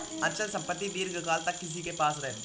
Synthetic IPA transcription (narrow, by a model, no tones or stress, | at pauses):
ɐnt͡ʃːɐlsɐmpɐt̪ːiʋiːɾɡɯkaːlt̪ɐkːis̬ikepaːsɾeːm